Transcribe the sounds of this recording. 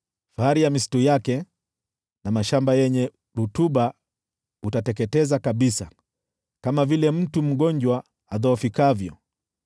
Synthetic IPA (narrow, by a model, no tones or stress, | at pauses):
faaɾijamisi̥tujakɛ | namaʃambajɛɲɛ | ɾutuɓa | utatɛkɛtɛzakaɓisa | kamavilɛm̩tum̩ɠɔɲd͡ʒwa | aðɔːfikavjɔ